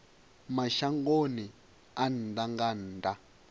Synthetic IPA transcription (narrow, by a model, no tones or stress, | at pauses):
maʃaŋɡoni | an̩daŋɡan̩ːda